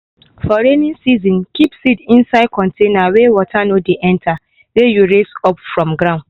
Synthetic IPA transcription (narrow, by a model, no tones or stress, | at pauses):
fɔɹenĩnsizɔ̃nkipsitĩnsaɪd̚kʰɔ̃ntʰẽnawewɔtʰanodeʔɛ̃ntʰa | wejuɹesɔpfɹɔ̃mɡɹãʊ̃nd